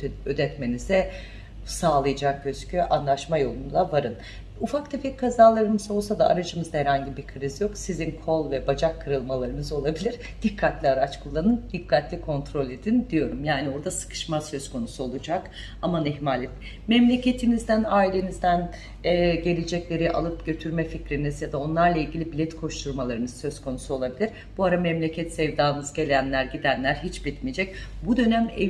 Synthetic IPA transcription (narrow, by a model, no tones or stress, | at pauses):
ød̪ɛt̪me̞nizɛ | saːlˠɯjad͡ʒakʰøz̥cʰyʔanlˠaʃmajo̞lˠund̪ˠavaɾɯn | ufakt̪ʰefɛckʰːazaːlˠaɾɯmɯzo̞lˠsad̪aa̰ɾad͡ʒɯmɯzd̪ahɛɾhaɲɟibiɾkʰɯɾizjo̞ksizinkʰo̞lˠvɛbad͡ʒakʰːɯɾɯlˠmalˠaɾɯnɯzo̞lˠabilʲiɾ | d̪̥ikʰːat̪lʲiaɾat͡ʃkʰulˠːanɯnd̪ikʰːat̪lʲikʰo̞nt̪ʰɾo̞lʲe̞d̪ind̪ijo̞ɾumjaːnio̞ɾd̪asɯ̥kʰɯ̥ʃmasø̞zkʰo̞nusuo̞lˠud͡ʒak | amanɛɦmalʲit | mɛmlʲe̞cʰe̞t̪ʰinizd̪ænaːilʲe̞nizd̪æn | ɛːɟe̞lʲed͡ʒɛclʲe̞ɾiʔa̰lˠɯpɟø̞t̪ʰyɾmɛficɾinizjad̪ao̞nlˠaɾlˠailʲɟʲilʲibilʲɛt̪kʰo̞ʃt̪ʰuɾmalˠaɾɯnɯzsø̞zkʰo̞nusuo̞lˠabilʲiɾ | b̥uaɾamɛmlʲecʰɛt̪sɛvd̪aːnɯzɟe̞lʲænlʲæɾɟid̪ænlʲæɾɦit͡ʃbit̪mijed͡ʒɛcbud̪ø̞næmɛ̰